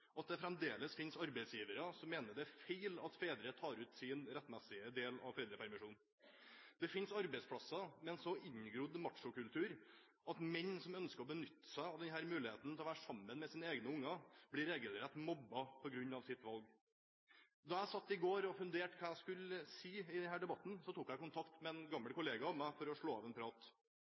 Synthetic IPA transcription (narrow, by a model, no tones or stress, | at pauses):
ɔɑt̪̚d̪ɛfɾɛmd̪eːləsfɪnsɑɾbæɪsjiːʋəɾəsɔmːeːnəɖɛæɾfeɪlɑt̪feːd̪ɾət̪ʰɑːɾʉːt̪sɪnɾɛt̪ːmæsɪəd̪eːlɑ̰ʋfeːd̪ɾəpʰæɾmɪʂuːn | d̪ɛfɪnsɑɾbɛɪspʰlɑsːɑmɛnsɔɪɲɡɾʊd̪mɑʈʂʊkʉlt̪ʰʉːɾ | ʔɑt̪mɛɲːsɔmœnskəɔbənʏt̪ːə̥sæɪɑʋd̪ɛnɦæːɾmʉːlɪheːt̪n̩t̪ɛlɔʋæːɾʂɑmːənmɛsiːnəeːɡnəʊŋːɑb̥lɪɾeːɡəlɾɛt̪mɔbːɑpʰɔɡɾʉɲːɑʋsɪt̪ʋɑlɡ | d̪ɑæɪsɑt̪ːɪɡoːɾɔfʉnd̪eːʈkʰɑːæɪskʉlːəsiːɪd̪ɛnhæːɖɛbɑt̪ːn̩sɔt̪uːkæɪkʊnt̪ʰɑkt̪mɛɛnɡɑmːəlkʊleːɡɑɔmæɪfɔɾɔʂɭoːɑːʋɛnpʰɾɑːt̪